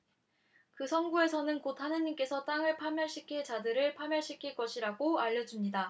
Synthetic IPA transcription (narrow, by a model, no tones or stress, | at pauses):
kɯsʰʌnɡue̞sʰʌnɯnkotʰhanɯɲːink͈e̞sʰʌt͈aŋɯɭpʰamjʌɭɕ͈ʰikʰiɭt͡ɕadɯɾɯɭpʰamjʌɭɕ͈ʰikʰiɭk͈ʌɕʰiɾaɡoaʎːʌd͡ʑumɲida